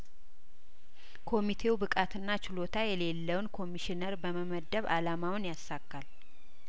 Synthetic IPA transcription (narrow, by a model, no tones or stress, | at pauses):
kʰo̞mit̪ʰe̞ubɨkʼat̪ʰɨnːat͡ʃɪlo̞t̪ʰajɛle̞lːəwnkʰo̞miʃinəɾbəməməd̪ːəβalamawnjasːakːal